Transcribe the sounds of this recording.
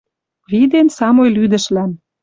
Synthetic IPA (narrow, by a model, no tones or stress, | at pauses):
βid̪ensɑmojlyd̪ə̆ʃlæn